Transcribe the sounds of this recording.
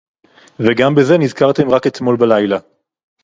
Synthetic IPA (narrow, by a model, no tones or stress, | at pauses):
veɡambeze̞nizkaʁt̪e̞mʁake̞t̪mo̞lbalajla